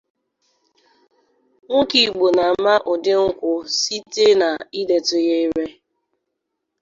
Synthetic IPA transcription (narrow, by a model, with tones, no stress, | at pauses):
ŋ̩˦ki˨ɡ͡bo˨na˨˦ma˦ʔʊ˨dɪ˦ŋ̩˦kʷʊ˦si˦te˦na˨i˦de˨tʊ˨je˦i˦ɾe˦